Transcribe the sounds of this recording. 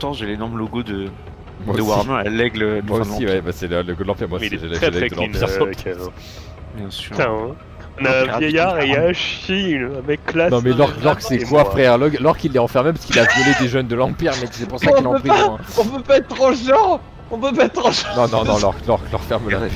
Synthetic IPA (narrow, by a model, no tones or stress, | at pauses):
t̪ɑ̃ʒelenɔʁməloɡod̪ə | mwaodəwʁmɛalɛɡləmwaosiwɛbasɛləloɡod̪əlɑ̃piʁmwailʒelɛχɛlɛɡd̪əlɑ̃npiʁk̪ɛ | bjɛ̃syʁ | ɔ̃naɛ̃vjɛjaʁeaʃiynãmɛklanɔ̃mɛlɔʁklɔʁkə̥sɛkwafχɛʁlɔɡalɔʁkilːɛɑ̃fɛʁmep̬askilavjɔled̪eʒœnd̪əlɑ̃piʁmɛkə̥sɛpuʁsakilɑ̃pøχizãɛ̃ɔ̃pøpaɛt̪ːχɑ̃ʒɑ̃ | ɔ̃pøpaɛt̪ʁɑ̃ʒnɔ̃nɔ̃nɔ̃lɔʁklɔʁklɔʁfɛʁmə